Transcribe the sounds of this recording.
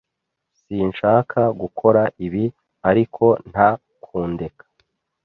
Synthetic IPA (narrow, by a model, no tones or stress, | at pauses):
sinʃaːkʰaɡukʰo̞ɾaʔiβi | aɾikʰo̞n̥ha | kʰuːnde̞kʰḁ